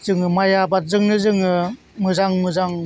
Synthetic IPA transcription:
zɯŋɯmajabat̚zɯŋnɯzɯŋɯ | mɯzaŋmɯzaŋ

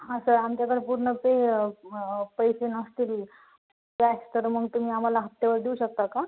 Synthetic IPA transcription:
ɦasəamt͡ɕjakəɽepuɾɳəpe | pəjsenəst̪iːl | past̪əɾməɡt̪um̤iːam̤alaɦət̪ːeʋəɾd̪euɕək̚t̪aka

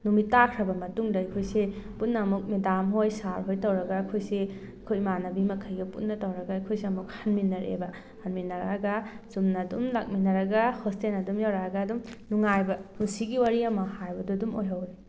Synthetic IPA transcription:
numitakʰɾɐbɐmɐtuŋdɐɐjkʰojseputnɐːmuk̚medamɦojsaɾɦojtɐwɾɐɡɐːkʰojse | ɐkʰojmanɐbimɐkʰɐjɡɐputnːɐtɐwɾɐɡɐɐjkʰojseɐmuk̚hɐnminːɐɾḛbɐ | hɐnminɐɾaɡɐsumnɐːdumlak̚minɐɾɐɡɐhostenɐdumjawɾaɡɐːdumnuŋajbɐmusiɡiwaɾiɐmɐhajbɐduɐdumojɦɐwɾi

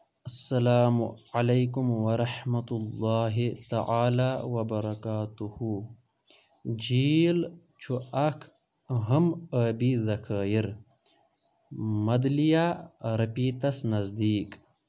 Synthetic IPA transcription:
ɐsːɐlaːmʕalajkumwɐɾɑħmɐt̪ʊlːɑːɦit̪a̰ʕaːlaːwɐbɐɾˤɑkaːt̪uhu | d͡ʒiːl | t͡ʃʰuɐkʰ | ɦəmaːbizɐkʰaːjiɾ | mɐd̪lijaːɾɐpiːt̪ɐsnɐzd̪iːk

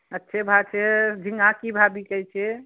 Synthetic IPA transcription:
ətːʃʰebʱat͡ʃʰed͡ʒʱiŋɡãkibʱabikɛjt͡ʃʰe

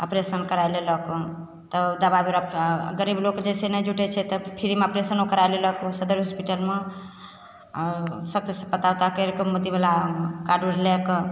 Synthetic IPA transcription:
əpɾesənkəɾajlelək | t̪əd̪ababeɾɡəɾiblokd͡ʒɛsenəjd͡ʒuʈɛt͡ʃʰɛt̪ɔpʰiɾimeəpɾesənokəɾajleləkusəd̪əɾɦuspiʈəlme | sək̚t̪spət̪awt̪akeɾekəmud̪ibelakaɖuɾlek

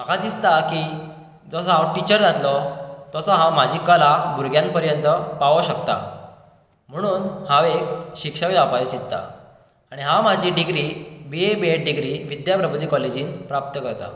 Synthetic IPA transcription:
makʰad̪ist̪aki | d͡zɔsɔawʈit͡ɕəɾd͡zat̪lɔt̪ɔsɔɦãm̤ad͡ʑʱikalabuɾɡjãn̚pəɾjənt̪əpaʋoɕəkt̪a̰ | m̤əɽ̃uːnhaʋek̚ɕikʂəkd͡zapaɾit͡ɕit̪t̪ːa̰ | aɽ̃iɦãm̤ad͡ʑʱiɖiɡɾiːbeebeeʈ̚ɖiɡɾiʋid̪japɾəbud̪iːkɔled͡ʑiːnpɾap̚t̪əkəɾt̪a̰

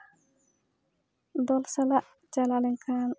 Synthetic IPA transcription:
d̪ɔlsalaʔ | t͡ʃalalɪŋkʰan

